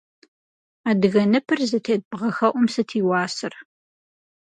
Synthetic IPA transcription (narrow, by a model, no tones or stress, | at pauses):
aːdɨɣɐnɨpʰɨrzɐtʰeːd̚bʁɐxɐʔʷʊmsɐtʰiːwɑːsɨr